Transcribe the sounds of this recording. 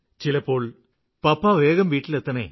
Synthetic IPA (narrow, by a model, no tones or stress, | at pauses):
t͡ɕilɐpːo̞ːɭ | pɐpːaʋeːɣɐmʋiːʈːilet̪ːɐɳḛ